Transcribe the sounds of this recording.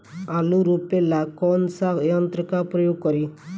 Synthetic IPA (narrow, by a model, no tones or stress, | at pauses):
aluɾupelakɔnsajɔnt̪ɾəkapɾɔjoɡ̚kɔɾi